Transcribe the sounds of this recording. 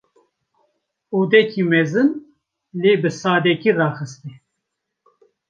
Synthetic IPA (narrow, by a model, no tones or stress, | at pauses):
uːd̪ɛkʰimɛzɨn | leːbɨsaːd̪ɛkirɑːxɨst̪i